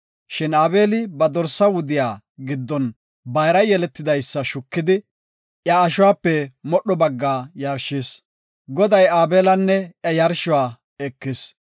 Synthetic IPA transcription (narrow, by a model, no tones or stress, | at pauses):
ʃɪnaːbeːlɪbɐd̪ɔɾsːɐwʊd̪ɪjaː | ɡɪd̪ːɔn | bɐjɾɐjɛlɛt̪ːɪd̪ɐjsːɐʃʊkːɪd̪ɪ | ʔjɐːʃʊwaːpːɛmɔɗːɔbɐɡːaːjɐɾʃɪs | ɡɔd̪ɐjaːbeːlɐnːɛʔjɐjɐɾʃʊwaː | ɛkːɪs